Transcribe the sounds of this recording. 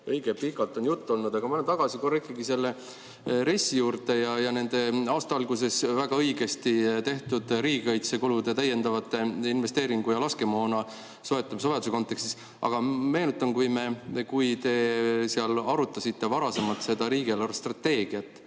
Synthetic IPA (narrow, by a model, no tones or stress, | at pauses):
ɤjɡ̥epikːɑlt̪ːˑonjut̪ːo̞lnud̪ɑɡ̥ɑmɑlent̪ɑɡ̥ɑsikorːikːˑiɡise̞lːe̞ | ɾe̞sːijuːɾt̪e̞jɑjɑne̞nd̪̥e̞ɑːst̪ɑɑlɡ̥use̞svæɡ̥ɑɤjɡe̞st̪it̪e̞ht̪ud̪̥ɾiːɡ̥ɤjt̪se̞kulud̪̥e̞t̪æjːe̞nd̪̥ɑvɑt̪ːˑe̞inve̞st̪e̞ːɾiŋɡ̥ujɑlɑske̞moːnɑ | so̞e̞t̪ːˑɑmsoed̪u̥seko̞nt̪ːˑe̞kst̪is | ʔɑ̰ɡ̥ɑme̞ːnut̪ːˑɑmkujme̞kujt̪e̞seɑlɑɾut̪ːˑɑsit̪ːe̞vɑɾɑse̞mɑlt̪se̞d̪̥ɑɾiːɡ̥elɑrst̪rɑt̪ːe̞ːɡ̥iɑt̪ːˑ